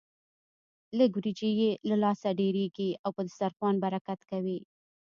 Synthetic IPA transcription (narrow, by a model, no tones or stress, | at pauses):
ləɡwɾid͡ʒijelalɑsaɖeɾeɡiawpəd̪saɾxwɑnbaɾakat̪kawi